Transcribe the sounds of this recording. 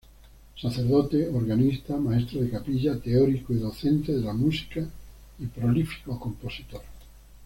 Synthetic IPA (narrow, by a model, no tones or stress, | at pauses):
saθeɾðot̪eoɾɣanist̪amaest̪ɾoðekapiʎat̪eoɾikoiðoθẽnt̪eðelamusi̥ka | ipɾolifi̥koakomposi̥t̪oɾ